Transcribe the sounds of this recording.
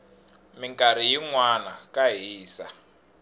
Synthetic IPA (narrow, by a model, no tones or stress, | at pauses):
miŋkaɾ̤ijiŋwanakaɦiːsa